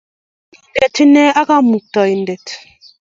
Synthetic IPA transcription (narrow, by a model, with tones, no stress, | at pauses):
n̩˨dɛ˨ti˦nɛ˦a˦ka˦mu˨k̚tɔ˨i˨n̩˨dɛ˨t